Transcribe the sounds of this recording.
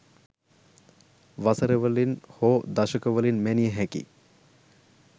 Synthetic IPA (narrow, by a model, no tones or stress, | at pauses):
ʋasəɾəʋəlinhoːd̪ɐʃɐkəʋəlinmænijəɦækḭ